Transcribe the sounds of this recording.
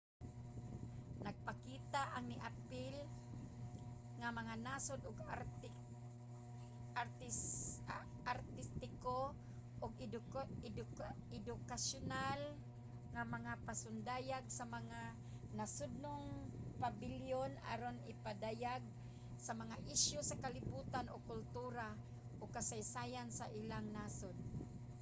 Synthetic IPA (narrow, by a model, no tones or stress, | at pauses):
naɡ̚pakiːt̪aʔaŋnɪʔapɪl | ŋamaŋanaːsod̪ʊɡ | at̪ | aɾt̪ɪst̪ɪko | ʔʊɡ | dɪd̪ʊkasʊnal | ŋamaŋapasʊnd̪aːjaɡ̚samaŋa | nasʊd̪̚noŋpabɪljona̰ɾonɪpad̪ajaɡ̚ | samaŋaʔɪʃjʊsakalɪbuːt̪anokʊlt̪uːɾa | ʔokasajsaːjansaʔɪlaŋnasod̪̚